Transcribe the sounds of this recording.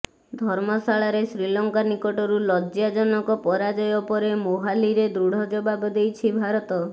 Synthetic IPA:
d̪ʱɔɾmɔsaɭaɾesɾilɔŋkanikɔʈɔɾulɔd͡ʒjad͡ʒɔnɔŋkɔpɔɾad͡ʒɔjɔpɔɾemoɦaliɾed̪ɾuɽ̤ɔd͡ʒɔbabɔd̪ejt͡ʃʰibʱaɾɔt̪ɔ

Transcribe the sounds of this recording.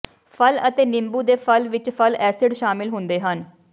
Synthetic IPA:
pʰələt̪eːnɪmbuːd̪eːpʰəlʋɪt͡ʃpʰəlɛːsɪɖʃaːmɪlɦʊnd̪eːɦən

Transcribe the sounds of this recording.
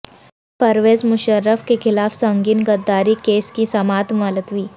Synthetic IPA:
pɐɾʋeːzmʊʃəɾːəfkexʰɪlaːfsɐ̃ŋɡiːnɡəd̪ːaːɾikeːskisɐmaːt̪malət̪ʋiː

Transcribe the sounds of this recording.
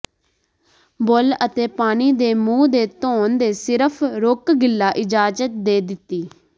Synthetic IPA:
bolət̪eːpaːniːd̪eːmũːd̪eːt̪oːnd̪eːsɪɾəpʰɾʊkɡɪlːaːʔɪd͡ʒaːd͡ʒət̪̚d̪eːd̪ɪt̪ːiː

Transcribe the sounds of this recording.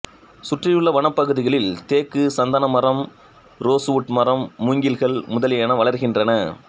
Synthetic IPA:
sʊʈrɪjɯɭːɐʋɐɳɐpːɐɣɯðɪɣɐɭɪlt̪eːkːɯsɐnd̪ɐnɐmɐrɐm | ɾoːsʋʊʈmɐrɐmːʊŋɡɪlɣɐɭmʊðɐlɪjɐnɐʋɐɭɐɾɣɪndrɐnɐ

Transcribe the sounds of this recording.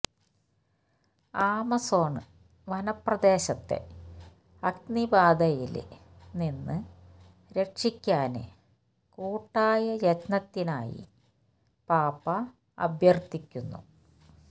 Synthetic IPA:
aːmɐso̞ːɳɨ̰ | ʋɐnɐprɐd̪e̞ːɕɐt̪ːe̞̰ | ɐɡ̚nibaːd̪ɐjilninːɨ | ɾe̞ʈʂikʲːaːnɨ̰ | kuːʈːaːjɐjɐt͡ɕnɐt̪ːinaːjḭ | paːpɐ | ɐ̰bʱjɐrt̪ikʲːunːṵ

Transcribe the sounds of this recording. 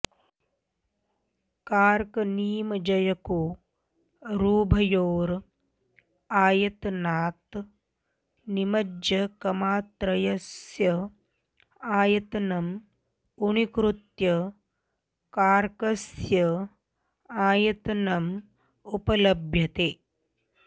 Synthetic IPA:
kaːɾkɐniːmɐd͡ʒɐjɐko | ɾuːbʱɐjoːɾ | aːjɐt̪naːt̪ | nimɐd͡ʒjɐkɐmaːt̪ɾɐjɐsjɐ | aːjɐt̪ɐnɐm | unikɾut̪jɐ | kaːɾkɐsjɐ | aːjɐt̪ɐnɐm | upɐlɐbʱjɐt̪eː

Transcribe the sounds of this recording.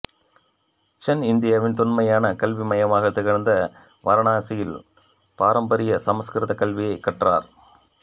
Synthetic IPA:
t͡ʃɛnɪnd̪ɪjaːʋɪnt̪ʊnmɐjaːnɐkɐlʋimɐjɐmaːɣɐt̪ːɪɣɐɾnd̪ɐ | ʋʔɐɾɐɳaːsɪjɪl | paːɾɐmbɐɾɪjɐsɐmɐskɪɾɪðɐkɐlʋɪjɐɪkːɐʈra̰ːɾ

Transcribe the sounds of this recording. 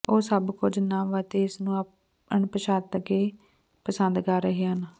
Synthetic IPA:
oːsəbkʊd͡ʒnaːʋət̪eːɪsnũːə | əɳpəʃaːt̪əɡeː | pəsənd̪kəɾːəɦeːən

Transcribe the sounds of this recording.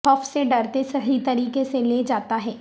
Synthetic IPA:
ɔːfseɖɐɾt̪esɐɦit̪ɐɾiːkeseleːd͡ʒaːt̪aɦɛː

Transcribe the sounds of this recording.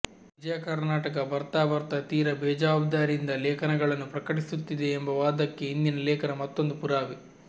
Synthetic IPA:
ʋʋid͡ʒɐjɐkɐɾnaːʈɐk̬ɐbɐɾt̪aːʋɐɾt̪ɐt̪iːɾɐbɛːd͡ʒaːbd̪aːɾiind̪ɐlɛːkʰɐnɐɡɐɭɐnːupɾɐkɐʈisut̪ːid̪e̞ːmbɐʋaːd̪ɐkːe̞ind̪inɐlɛːkʰɐɾɐmɐt̪ːo̞nd̪upuɾaːʋi

